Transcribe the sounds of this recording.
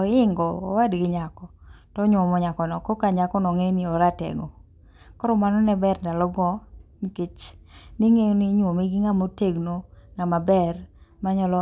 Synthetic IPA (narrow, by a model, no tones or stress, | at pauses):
ɔɪŋɡɔ̰ːwadɡɪɲakɔtɔɲʊɔmɔɲakɔnɔkokaɲakɔnɔŋenioɾatɛ̰ɡɔ | kɔɾɔmanɔnɛbɛrndalɔɡɔniket͡ʃniŋeniɲwomiɡiŋamoteɡnoŋamabɛrmaɲɔlɔ